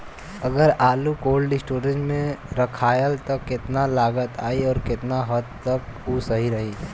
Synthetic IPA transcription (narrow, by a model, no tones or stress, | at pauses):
ɐɡəɾaːlukoːlɖɪsʈoːɾə̃nʈmẽɾɐkʰaːjəlt̪ɐkːɪt̪nalaːɡət̪a̰ːiɔːɾkɪt̪naɦəd̪̚t̪ɐkuːsɐɦiɾɐɦiː